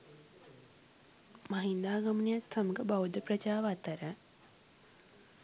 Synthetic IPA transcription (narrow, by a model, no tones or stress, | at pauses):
maɦind̪aːɡɐmənijaksɐməɡəbawd̪ʱəpɾɐt͡ʃaːʋat̪əɾə